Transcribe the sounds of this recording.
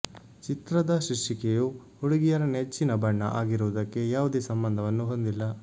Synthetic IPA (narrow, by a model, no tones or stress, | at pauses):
t͡ʃit̪ɾɐd̪ɐʃiʂikeju | hoɽuɡijɐɾɐnet͡ʃːinɐbɐɳːɐ̰ʔaːɡiɾuʋɐd̪ɐkːe̞jaːʋud̪e̞ːsɐmbɐnd̪ʱɐʋɐnːuɦond̪ilːɐ